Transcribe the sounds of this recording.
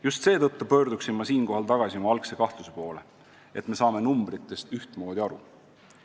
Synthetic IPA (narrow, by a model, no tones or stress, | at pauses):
just̪se̞ːt̪ɤ̞t̪ːupø̞ːɾd̪uksimːɑsiːnko̞ɦɑlt̪ɑɡ̥ɑsimɑɑlkse̞kɑht̪luse̞po̞ːle̞ | ʔe̞t̪ˑme̞sɑːme̞numb̥ɾit̪ːˑe̞st̪yht̪mo̞ːd̪̥ʲiɑɾṵ